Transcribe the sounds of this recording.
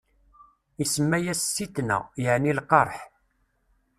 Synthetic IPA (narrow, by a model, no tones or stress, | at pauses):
isəmːæjæsːit̪næ̰jəʕnilqɑɾˤħ